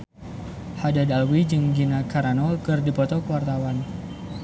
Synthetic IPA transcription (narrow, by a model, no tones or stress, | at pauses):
hadadalwid͡ʒɨŋɡinakaɾanɔlkɨrdipɔt̪ɔkəwart̪awan